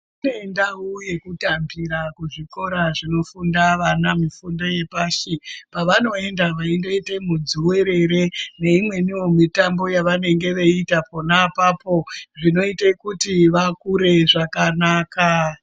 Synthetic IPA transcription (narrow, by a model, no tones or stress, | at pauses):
ineendauje̞kutambiɾakuʐiko̞ɾaʐino̞fundaʋanamifundo̞je̞paːʃipaʋano̞e̞ndaʋaindeite̞mud͡zuwe̞ɾe̞ɾe̞ne̞imwe̞niwo̞mitambo̞jaʋane̞ŋɡe̞ʋeitapo̞napapo̞ʐino̞itekutiʋakuɾe̞ʐakanaːka